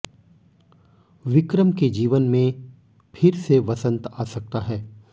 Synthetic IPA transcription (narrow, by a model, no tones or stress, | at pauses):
ʋɪkɾəmked͡ʒiːʋənmẽ | pʰɪɾseʋɐsə̃nt̪aːsɐk̚t̪aɦɛː